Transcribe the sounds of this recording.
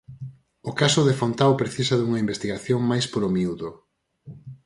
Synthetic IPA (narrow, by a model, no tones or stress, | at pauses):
ʊkasʊðefont̪awpɾeθisɐðuŋɐimbest̪iɣaθjoŋmajspoɾomiuðo